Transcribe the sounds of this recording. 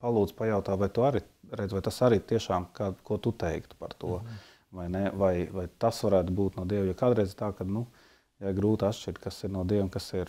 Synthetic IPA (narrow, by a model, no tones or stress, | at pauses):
palˠuːd̪z̥pajaʊt̪aːʋajt̪uaɾi | ɾɛd̪zʋvajt̪asaɾit̪iɛʃaːmkaːkuɔt̪ut̪ɛjkt̪paɾt̪uɔ | vajnɛvajvajt̪asʋaɾæːt̪ubuːt̪nuɔd̪iɛwjɔːkaːd̪ɾɛjzt̪aːkad̪nu | jaɪɡɾuːt̪at̪ʃt͡ʃiɾt̪̚kasiɾnuɔd̪iɛmkasiɾ